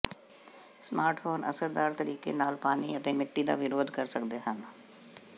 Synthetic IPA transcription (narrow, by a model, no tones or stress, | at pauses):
smaːɾʈfʰoːnə̰səɾd̪aːɾt̪əɾiːkḛːnaːlpaːniət̪eːmɪʈːiːd̪a̰ːʋɪɾoːd̪kəɾsəkd̪eːɦən